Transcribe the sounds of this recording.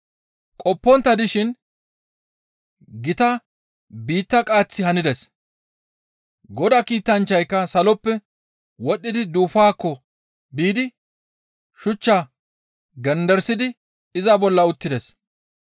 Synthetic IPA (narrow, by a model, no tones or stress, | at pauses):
kʼɔpːɔnt̪ːɐd̪ɪʃɪn | ɡɪt̪ɐ | biːt̪ːɐkʼaːt͡sːɪhɐnɪd̪ɛs | ɡɔd̪ɐkiːt̪ːɐnt͡ʃːɐjkːɐsɐlɔpːɛ | wɔɗːɪd̪ɪd̪uːfaːkːɔ | biːd̪ɪ | ʃʊt͡ʃːaː | ɡɛnd̪ɛɾsɪd̪ɪ | ɪzɐbɔlːɐʊt̪ːɪd̪ɛs